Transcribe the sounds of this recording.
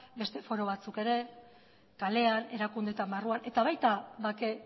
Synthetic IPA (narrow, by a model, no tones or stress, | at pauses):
be̞st̪e̞fo̞ɾo̞β̞at͡suke̞ɾe̞ | kale̞ane̞ɾakund̪e̞t̪ambaruanʔe̞t̪aβajt̪aβake̞